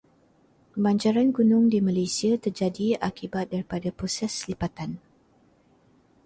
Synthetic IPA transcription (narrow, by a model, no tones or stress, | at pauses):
baɲd͡ʒaɾanɡunʊ̃ŋdimãlejsiat̪ərd͡ʒadiakibat̪̚daɾipadapɾosɛslipat̪an